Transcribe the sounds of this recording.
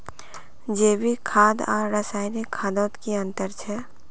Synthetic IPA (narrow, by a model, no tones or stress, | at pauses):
d͡ʒeːbʱikʰaːd̪ɔ̰ːɾːəsaːɪnikʰːaːd̪ɔːt̪kiɐ̃nt̪əɾt͡ʃʰɛː